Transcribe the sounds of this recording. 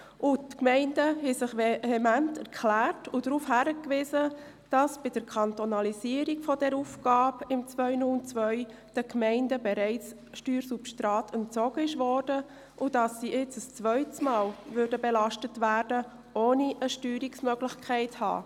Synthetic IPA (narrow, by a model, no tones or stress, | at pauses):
ʔʊtkmɛɪndəhɛsɪχehɛmæntʰɛɾkʰlæːrtʊd̥ɾuːfhæɾəkʋɪzə | d̥ɑsb̥ɪd̥əɾkʰɑntɔnɑliziəɾiɡfɔdɛɾufɡ̥ɑːbɪmt͡svœʏnʊlnt͡sʋœʏ | d̥əkmɛɪndəbɛɾɛɪt͡s | ʃtyːɾsupʃtɾɑːtʰɛntt͡sɔɡəɪʃʋɔːɾd̥ə | ʔʊd̥ɑsːiʔɪt͡səst͡sʋœʏtəsmɑːlʋʏɾdəbɛlɑʃtətʋæːɾdə | ʔoːniʔəʃtyːɾiksmœɡlɪxkʰɛɪthɑ̰ː